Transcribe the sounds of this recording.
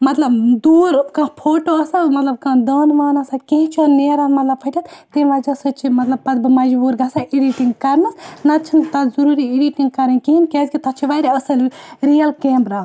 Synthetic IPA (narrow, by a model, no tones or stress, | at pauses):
mɐt̪lɐbd̪uːɾkãːpʰoːʈoɐsamɐt̪lɐb̚kãːd̪ɐːnʋaːnɐsakẽɦĩt͡ʃʰoneːɾaːnmɐt̪lɐbpʰɐʈʲɐt̪t̪inʋaːd͡ʒɐsɨt͡ʃʰimɐt̪lɐb̚pɐd̪̚bɨmɐd͡ʒbuːɾɡɐsaʔiɖiʈiŋɡkɐɾnɨsnɐt͡ʃʰint̪ɐzɐɾuːɾiiɖiʈiŋɡ̚kɐɾɐnkiɦinkeːzkʲit̪ɐt͡ʃʰiʋaɾiɐsɐlɾijɐlkeːmpɾaː